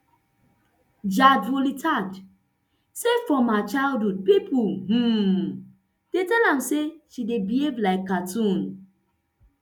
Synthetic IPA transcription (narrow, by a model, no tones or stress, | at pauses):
d͡ʒadholitad͡ʒ | sefɔmat͡ʃaɪldɦud̚pipʰuh̩ | d̥etɛlãmseʃidebievlaɪkːatũn